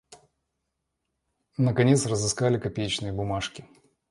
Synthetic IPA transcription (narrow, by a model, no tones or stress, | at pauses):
nəkɐnʲe̞t̪srəzɨskalʲɪkɐpʲejt͡ɕnɨjəbʊmaʂkʲɪ